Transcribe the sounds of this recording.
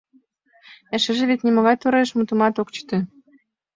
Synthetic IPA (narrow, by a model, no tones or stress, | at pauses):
ɘ̆ʃɘ̆ʒɘ̆βet̪nʲimɤ̆ɣɑjt̪uɾeʃmut̪umɑt̪okt͡ɕt̪ø̆